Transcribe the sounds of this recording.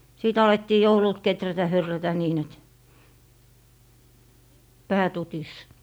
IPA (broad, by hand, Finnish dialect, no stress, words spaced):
siˑt ɑletːiː joulult ketrætæ hyrːætæ niːn et pæː tutis